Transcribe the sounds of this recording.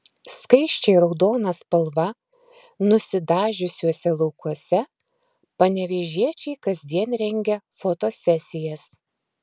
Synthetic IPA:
skɐɪʃʲt͡ʃʲɛɪɾɒʊd̪oːnɐspɐlˠʋɐ | nʊsʲɪd̪ɑːʒʲʊsʲuɔsʲɛlˠɒʊkuɔsʲɛ | pɐnʲɛʋʲeʒʲiɛt͡ʃʲɛɪkɐzʲd̪ʲiɛnɾʲɛŋʲɡʲɛfɔt̪oːsʲɛsʲɪjɛs

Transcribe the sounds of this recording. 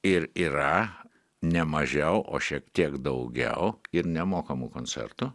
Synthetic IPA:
ɪɾiːɾɐ | nʲɛmɐʒʲɛʊʔo̰ːʃʲiɛkt̪ʲiɛkd̪ɐʊɡʲɛ̰ʊɪɾnʲɛmoːkɐmukonʲt͡ssʲɛ̰rt̪u

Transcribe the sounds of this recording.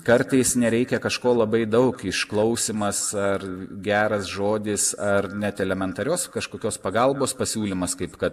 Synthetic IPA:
kɐɾt̪ɐɪsnʲɛɾʲɛɪkʲɛkɐʃkoːlˠɐbɐɪd̪ɐʊkɪʃklˠɒʊsʲimɐsɐɾɡʲæːɾɐsʒoːd̪ʲɪsɐrnʲɛt̪ɛlʲɛmʲɛnt̪ɐɾʲoːskɐʃkoːkʲoːspɐɡɐlˠboːspɐsʲuːlʲɪmɐskɐɪpkɐt̪

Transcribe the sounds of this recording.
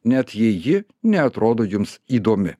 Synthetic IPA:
nʲɛt̪jɛjɪ | nʲɛɐt̪ɾoːd̪oːjʊmsiːd̪oːmʲɪ

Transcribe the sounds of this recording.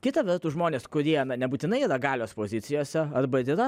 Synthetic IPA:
kʲɪt̪ɐʋʲɛɾt̪uːʒmoːnʲeːskʊɾʲiɛnɐnʲɛbuːt̪ʲɪnɐɪiːɾɐɡɑːlʲoːspoːzʲɪt̪sʲɪjoːsʲɛɐrbɐɪɾiːɾɐ

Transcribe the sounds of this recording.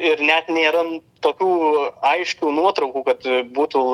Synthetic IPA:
ɪɾnʲɛt̪nʲeːɾɐnt̪oːkʲuːɐɪʃʲkʲuːnuɔt̪ɾɐʊkuːkɐt̪buːt̪u

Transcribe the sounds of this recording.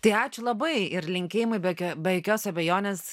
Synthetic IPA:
t̪ɐɪɑːt͡ʃʲʊlˠɐbɐɪɪrlʲɪŋʲkʲeːjɪmʊɪbʲɛkʲobʲɛjokʲoːsɐbʲɛjoːnʲeːs

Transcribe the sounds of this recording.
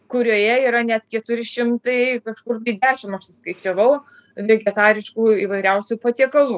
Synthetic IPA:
kʊɾʲoːjɛiːɾɐnʲɛt̪kʲɛt̪ʊɾʲɪʃʲɪmt̪ɐɪkɐʃkʊrt̪ɐɪd̪ʲæːʃʲɪmɐʃsʊskɐɪt͡ʃʲɛʋɐʊ | ʋʲeɡʲɛt̪ɑːɾʲɪʃkuːiːʋɐɪɾʲɛʊsʲuːpɐt̪ʲiɛkɐlˠuː

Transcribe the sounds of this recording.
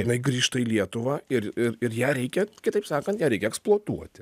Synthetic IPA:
ɪnɐɪɡɾʲiːʃt̪ɐiːlʲiɛt̪ʊʋɑːɪɾɪɾɪrjæːɾʲɛɪkʲɛkʲɪt̪ɐɪpsɑːkɐnt̪jæːɾʲɛɪkʲɛksplˠuɔt̪uɔtt̪ʲɪ

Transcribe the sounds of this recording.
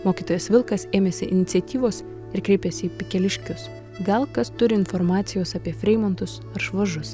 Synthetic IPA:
moːkʲiːt̪oːjɛsʋʲɪlˠkɐseːmʲeːsʲɪʔɪ̰nʲɪt̪sʲɛt̪ʲiːʋoːs | ɪɾkɾʲɛɪpʲɛsʲɪiːpʲɪkʲɛlʲɪʃʲkʲʊs | ɡɐlˠkɐst̪ʊɾʲɪɪnfɔɾmɑːt̪sʲɪjoːsɐpʲiɛfʲɾʲɛɪmont̪ʊs | ɐɾʒʋɐʒʊs

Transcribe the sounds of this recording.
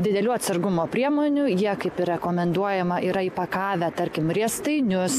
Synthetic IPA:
d̪ʲɪd̪ʲɛlʲuːɐt̪sɐɾɡʊmoːpʲɾʲiɛmoːnʲʊjiɛkɐɪpɪrʲɛkoːmʲɛnd̪uɔjɛmɐʔiːɾɐiːpɐkɑːʋʲæːt̪ɐɾʲkʲɪmɾʲiɛst̪ɐɪnʲʊs

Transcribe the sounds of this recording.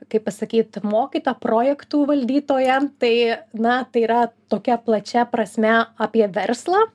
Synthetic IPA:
kɐɪppɐsɐkʲiːt̪moːkʲiːt̪oːpɾoːjɛkt̪uːʋɐlʲd̪ʲiːt̪oːjɛt̪ɐɪnɐt̪ɐɪiːɾɐt̪oːkʲɛplˠɐt͡ʃʲɛpɾɐsʲmʲɛɑːpʲiɛʋʲɛrslˠɑː

